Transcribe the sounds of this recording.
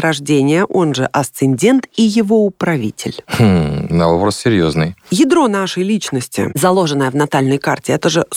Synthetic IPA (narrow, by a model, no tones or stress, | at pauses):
ɾɐʐdʲenʲɪjəʔo̞nʐɨʔɐst̪sɨnʲdʲe̞nt̪ijɪvo̞ʊpɾɐvʲitʲɪ̰l̩ʲ | nɐobɾəssʲɪɾʲjoznɨjjɪd̪ɾo̞naʂəjlʲit͡ɕnəsʲtʲɪ̰zɐlˠo̞ʐɨnəjəvnɐt̪alʲnəjkartʲɪɛt̪əʐɨ